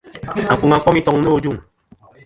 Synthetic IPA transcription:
a˨fu˨ŋa˨fɔ˦mi˦tɔ˨ŋnə˦o˦d͡ʒu˦˨ŋ

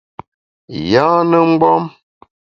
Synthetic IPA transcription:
jãː˦nə˦ŋ͡m̩˦ɡ͡bɔ˦m

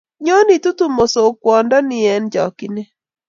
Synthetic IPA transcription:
ɲo˦ni˨tu˦tu˦mo˨so˨kwɔ˨ndɔ˦nɪ˦ɛ˨nd͡ʒɔ˨kɪ˨ne˦

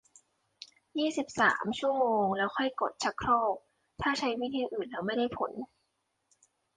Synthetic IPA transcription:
jiː˥˩si˨˩p̚sa̰ː˩˦mt͡ɕʰu˥˩əmoː˧ŋlɛː˦˥wxʰɔ˥˩jko˨˩t̪̚t͡ɕʰa˦˥kʰɾɔː˥˩k̚ | t̪ʰaː˥˩t͡ɕʰa˦˥jwi˦˥˩t̪ʰiː˧ʔɯː˨˩nlɛː˦˥wma˥˩jda˥˩jpʰo˨˩˦n

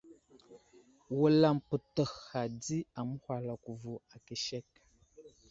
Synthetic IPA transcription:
wə˨la˨mpə˨tə˨xa˨di˦a˨m˦hʷwa˨lɔ˨ku˨vu˨a˨ke˨ʃɛ˦k̚

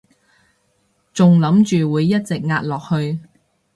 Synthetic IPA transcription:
t͡sʊ˨ŋlɐ˨˥mt͡ʃyː˨wuː˨˧jːɐ˥t̚t͡sɪ˨k̚ŋaː˧t̚lɔː˨k̚hɵ˧ɥ

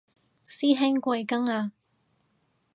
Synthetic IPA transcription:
siː˥ɦɛ˥ŋkʷɐ˧jkɐ˥ŋaː˧

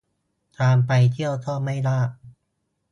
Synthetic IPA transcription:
t̪ɾaː˧mpa˧jt̪ʰi˥˩əwt̪ʰɔː˥˩ma˥˩jlaː˥˩k̚

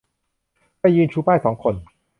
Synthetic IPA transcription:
pa˧jːɯː˧nt͡ɕʰuː˦˥paː˥˩jsɔː˩˦ŋkʰo˧n

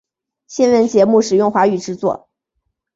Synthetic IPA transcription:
ɕjɛ˥˧nwə˥˩nt͡ɕjɛ˧˥mu˥˩ʂɻ̩˨˩jʊ˥˩ŋxwa˧˥y˨˩ʈ͡ʂɻ̩˥˧t͡swɔ˥˩

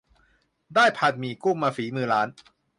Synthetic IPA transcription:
daː˥˩jpʰa˨˧˩t̪̚miː˨˩kuː˥˩maː˧fiː˩˦mɯː˧ɾaː˦˥n

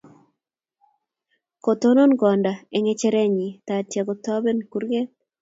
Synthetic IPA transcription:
ko˨t̪o˦no˦nɡɔ˨nda˨ɛ˨ŋe˦t͡ʃɛ˦ɾɛ˦ɲi˨t̪a˨t͡ʃɛ˨ɡɔ˨t̪ɔ˦bɛ˦nku˦ɾɡɛ˦

